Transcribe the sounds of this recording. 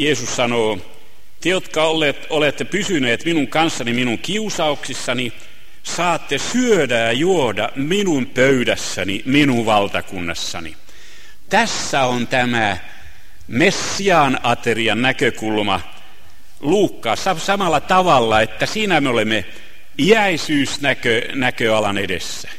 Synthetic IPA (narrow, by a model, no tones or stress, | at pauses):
jeːsussɑnoː | t̪ejot̪kɑolːˑet̪olet̪ːepysyneːt̪minuŋkɑnsːɑniminuŋkiusɑuksisːɑni | sɑːt̪ːesyødæjɑjuodɑminumpøydæsːæniminuʋʋɑlt̪ɑkunːɑsːɑ̰nḭ | t̪æsːæont̪æmæ | mesːiɑːnɑt̪eriɑnnækøkulmɑ | luːkːɑːsɑsɑmɑlːɑt̪ɑʋɑlːɑet̪ːæsiːnæmeolemːe | iæisyːsnækønækøɑlɑnedḛsːæ̥